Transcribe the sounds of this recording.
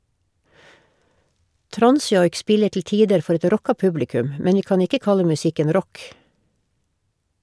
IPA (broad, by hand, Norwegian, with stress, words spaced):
ˈtɾɑnˌsjɔʏk ˈspɪlə tl̩ ˈtiːdəɾ ˈfɔɾ ˈɛt ˈɾɔkɑ ˈpʉblɪˌkʉm ə ˈmɛn ˈʋiː ˈkɑːn ˈɪkə ˈkɑlə mʉˈsɪkən ˈɾɔk